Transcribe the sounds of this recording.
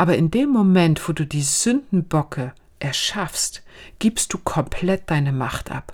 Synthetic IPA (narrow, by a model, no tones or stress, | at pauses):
ʔaːbɐɪndeːmːomɛntv̥oːduːdiːzʏndn̩bɔkʰə | ʔɛɐʃafstɡ̥iːpst̚d̥uːkʰɔmpʰl̥ɛt̚d̥aɪnəmaχtʔa̰p